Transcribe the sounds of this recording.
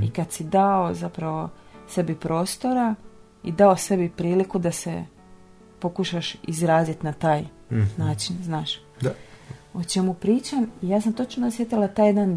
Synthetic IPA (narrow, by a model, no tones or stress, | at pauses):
ikad̪sid̪aozapɾaʋo̞ | se̞bipɾo̞ːst̪o̞ɾa | id̪aose̞bipɾiːlikud̪ase̞ | po̞kuʃaʃizɾaːzit̪nat̪aːj | naːt͡ʃinznaːʃ | o̞t͡ʃe̞mupɾiːt͡ʃamijaːs̬amt̪o̞t͡ʃnosjet̪ilˠat̪aːjed̪an